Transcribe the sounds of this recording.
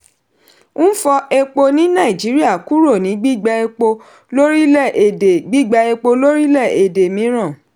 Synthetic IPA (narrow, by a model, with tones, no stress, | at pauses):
nũ˦fɔ˧e˧k͡po˧nĩ˦nã˦˨i˨d͡ʒi˨˦ɾi˦a˦˨ku˦ɾo˦˨nĩ˨˦ɡ͡bi˦˨ɡ͡ba˧e˧k͡po˧ | lo˦ɾi˦lɛ˦˨ʔe˨e˨ɡ͡bi˦˨ɡ͡ba˧e˧k͡po˧lo˦ɾi˦lɛ˦˨e˨de˨mĩ˨˦ɾ̃ã˦˨